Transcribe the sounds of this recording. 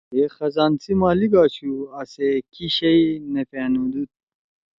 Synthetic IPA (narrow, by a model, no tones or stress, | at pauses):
exɐzaːnt͡simaːliɡaːt͡ɕʰuɐsekiɕɐinefeːnud̪ut̪̚